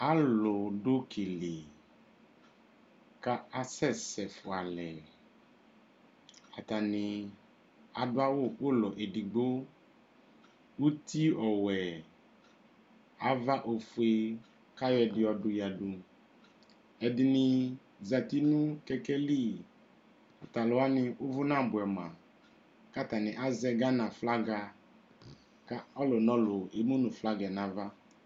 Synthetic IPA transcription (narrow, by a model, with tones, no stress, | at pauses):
a˦lo˨ɖʊ˦kʰi˨li˨ | ka˦a˦sɛ˦˨sɛ˨fʊ˨a˨lɛ˨ | a˨t̪a˨nɪ̃˨ | a˨dʊ˦a˦wo˦˨o˦lɔ˨ʔe˨di˨ɡ͡bo˦ | wu˦t̪ʰi˦ɔ˨wɛ˨ | a˨va˦ʔo˨fu˨e˦ | ka˦jɔ˦ɛ˨dɪ˨ɔ˨dʊ˨ja˨dʊ˨ | ɛ˨dɪ˨nɪ˨ | za˨ti˦nũ˦kɛ˦kɛ˦li˦˨ | ʊ˨ta˨lʊ˨a˦nɪ˦ʔʊ˦vʊ˦nã˦˨bʊ˨ɛ˨m˨a˨ | ka˦ta˨nɪ̃˨ʔa˦zɛ˦ɡa˦nã˨fla˦ɡa˨ | ka˦ɔ˦lɔ˨nɔ˦lʊ˨e˨mu˦nʊ̃˨fla˦ɡɛ˨nã˨va˦